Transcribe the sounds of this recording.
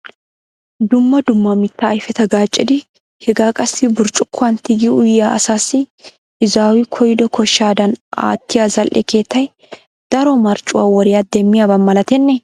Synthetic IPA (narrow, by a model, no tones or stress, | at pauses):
d̪ʊmːɐd̪ʊmːɐmɪt̪ːɐːjfɛt̪ɐɡaːt͡ʃʼːɪd̪ɪ | hɛɡaːkʼɐsːɪbʊɾt͡ʃʼʊkʰːʊɐnt̪ɪɡɪʊjːaːʔɐsaːsɪ | ʔɪzaːwɪkʰɔjd̪ɔkʰɔʃːaːd̪ɐna̰ːt̪ːɪjaːzɐlʔɛ̰ke̞ːt̪ːɐj | d̪̥ɐɾɔmɐɾt͡ʃʼʊwaːwɔɾɪjad̪ɛmːɪjaːbɐmːɐlɐt̪ɛnːɛ